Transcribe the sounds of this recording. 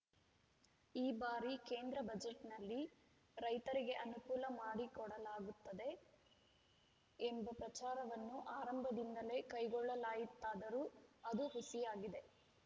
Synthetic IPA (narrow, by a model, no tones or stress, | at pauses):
iːbaːɾike̞ːnd̪ɾɐbɐd͡ʒeʈnɐlːi | ɾɐjt̪ɐɾiɡe̞ʔɐnukuːlɐmaːɽikɔɽɐlaːɡut̪ːɐd̪e̞ | embɐpɾɐt͡ʃaːɾɐʋɐnːuʔaːɾɐmbʱɐd̪ind̪ɐle̞ːkɐjɡɔɭːɐlaːjit̪ːaːd̪ɐɾuːɐd̪uɦusijaːɡid̪e̞